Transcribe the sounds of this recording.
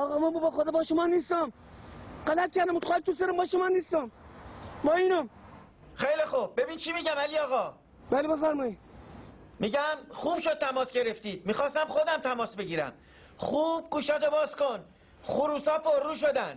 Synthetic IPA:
ɒːɣɒːmɒmbubɒːxod̪ɒːbɒːʃomɒːniːst̪ɒm | ɢælæt̪̚kʰʲæɾd̪æmuːt̪xɒːt̪ʰus̬eɾombɒːʃomɒːniːst̪ɒm | bɒːiːnom | xejlixob̚bebint͡ʃʰimiɟæmæliɒːɣɒː | b̥ælebefæɾmɒːid̪̥̚ | miɟæmχuːb̥ʃod̪̚t̪ʰæmɒːsɟe̞ɾeft̪iːd̪̥̚miːxɒːst̪æmxod̪æmt̪ʰæmɒːsbeɟiːɾæ̰m | χuːb̥̚ɡuːʃɒːt̪obɒːskon | χuɾuːsɒːpʰoɾːuːʃ̬od̪ænd̪̥

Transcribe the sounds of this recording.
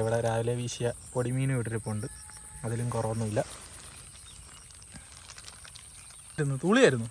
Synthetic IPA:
iʋiɽeɾaːʋileʋiːɕijɐpoɽimiːnɨʋiʈːiɾupːoɳɖɨɐðilumkorɐʋɐnːɐʋilːɐ | ɾunːut̪uːɭijaːiɾunːu

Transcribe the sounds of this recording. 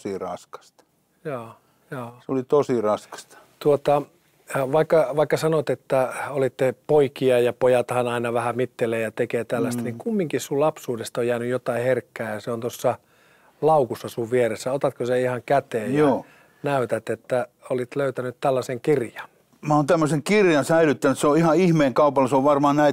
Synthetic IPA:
sirɑskɑ̥st̪ | joː | joːseolit̪osirɑskɑ̥st̪ɑ̥t̪uot̪ɑ | ʋɑikːɑʋɑikːɑsɑnot̪et̪ːæolit̪ːepoikiɑjɑpojɑt̪hɑnɑinɑʋæhæmit̪ːeleːjɑt̪ekeːt̪ælːæst̪niŋkumːiŋkissulɑpsuːdest̪ojjæːnyjjot̪ɑiherkːæːjɑseont̪osːɑ | lɑukusːɑsuʋʋieresːæot̪ɑt̪koseihɑŋkæt̪eːjjɑ | næyt̪æt̪et̪ːæ | olit̪løyt̪ænyt̪t̪ælːæseŋkirjɑn | mæont̪æmːøseŋkirjɑnsæilyt̪ːænyt̪seoihɑihmeːŋkɑupɑlːɑseoʋʋɑrmɑːnnæi

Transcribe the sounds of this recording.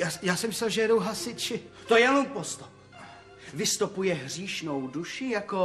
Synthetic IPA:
ajaːsɛmɪsɛlʒɛjɛdowɦasɪt͡ʃɪt̪ojɛlumpost̪o | vɪst̪opujɛɦr̝iːʃnowduʃɪjako

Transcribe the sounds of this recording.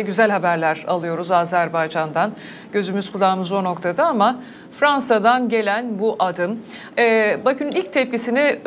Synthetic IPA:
ɟyzælʲɦabæɾlʲæɾa̰lˠɯjo̞ɾuzaːzæɾbajd͡ʒand̪an | ɟø̞zymyzkʰulˠaːmɯzo̞no̞kt̪ʰad̪aama | fɾansad̪anɟe̞lʲænbuʔad̪ɯm | ɛbakʰɯnunilʲc̚t̪ʰɛp̚cisini

